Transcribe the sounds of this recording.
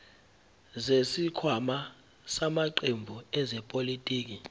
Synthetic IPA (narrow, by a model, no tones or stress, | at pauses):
zesikʰwama | samaǃembʱuɛzɛpʼolitʼiːk̬i